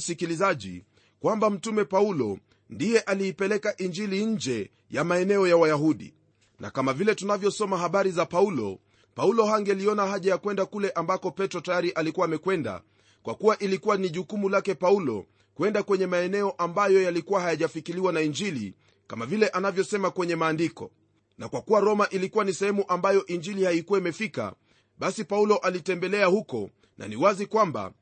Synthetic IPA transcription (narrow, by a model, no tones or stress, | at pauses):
sikilizaʄḭ | kwambam̩tumɛpaulɔ̰ | ndijɛʔaliːpɛlɛkaʔiɲd͡ʒiliɲ̩d͡ʒɛ | jamaɛnɛɔjawajaɦuɗḭ | nʔa̰kamavilɛtunavjɔsɔmaɦaɓaɾizapaulɔ̰ | paulɔhaŋɡɛliɔnahaʄajakwɛndakulɛʔambakɔpɛtɾɔtajaɾiʔalikuwaːmɛkwɛnda̰ | kwʔa̰kuwaʔilikuwaniʄukumulakɛpaulɔ̰ | kwɛndakwɛɲɛmaɛnɛɔʔambajɔjalikuwahajaʄafikiliwanaiɲd͡ʒilḭ | kamavilɛʔanavjɔsɛmakwɛɲɛmaːndikɔ̰ | na̰kwakuwaɾɔmaʔilikuwanisɛhɛmuʔambajɔʔiɲd͡ʒilihaikuwaimɛfika̰ | ɓasipaulɔʔalitɛmbɛlɛahukɔ̰ | nʔa̰niwazikwamba̰